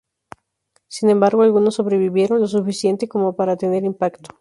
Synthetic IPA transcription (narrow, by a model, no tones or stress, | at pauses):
sine̞mbaɾɣoalɣuno̞sːo̞βɾe̞βiβje̞ɾo̞nlo̞s̬ufisje̞nt̪e̞ko̞mo̞paɾat̪e̞ne̞ɾimpakt̪o̥